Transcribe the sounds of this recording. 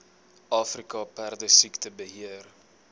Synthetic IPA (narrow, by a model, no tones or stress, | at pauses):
ʔɑːfrikɐpærdəsiktəbəɦiər